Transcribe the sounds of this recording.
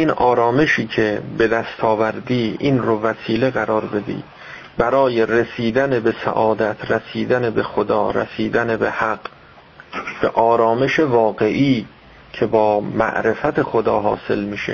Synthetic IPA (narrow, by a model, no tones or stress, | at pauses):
iːnɒːɾɒːme̞ʃiːcʰe̞be̞d̪æst̪ʰɒːvæɾd̪iːinɾovæsiːle̞ɣæɾɒːɾbe̞d̪ḭː | bæɾɒːjeɾesiːd̪ænebesæ̰ʔɒːd̪æt̪ʰɾæsiːd̪ænebe̞xod̪ɒːɾæ̰siːd̪ænebehæɡ | b̥eʔɒːɾɒːme̞ʃevɒːɡe̞ʔiː | cʰebɒːmæ̰ʔɾe̞fæt̪ʰexod̪ɒ̰ːɦɒ̰ːse̞̰lmiːʃḛ